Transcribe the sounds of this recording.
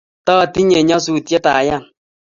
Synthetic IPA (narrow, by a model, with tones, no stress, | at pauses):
tɔ˦a˨ti˦ɲe˨ɲɔ˦su˦˨tɛ˦ta˨ja˦˨